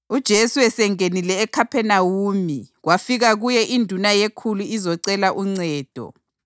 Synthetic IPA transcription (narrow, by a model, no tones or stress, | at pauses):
ud̥ʒ̥ʱesuwɛsɛŋenilɛːkʰapʰɛnawuːmiɣwafiɣaɣujɛʔindʱunajekʰuluizɔǀɛlaʔuŋ͡ǀɛːd̥ʱɔ̰